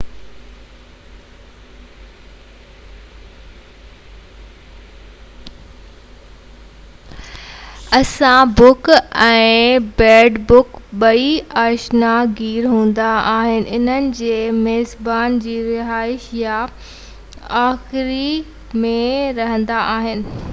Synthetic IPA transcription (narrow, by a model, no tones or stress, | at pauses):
ɐsãbʊkɛ̃ːbɛːɖbʊkɓɐiaːʃnaɡiːɾɦũːn̆d̪aaːɦɪnɪ̆ʔɪn̤ənɪ̆d͡ʑeːmeːzbaːnd͡ʑiːɾɪɦaːɪʃja | aːxɪɾi | mẽɾɐɦə̃nd̪aʔaːɦɪnɪ̆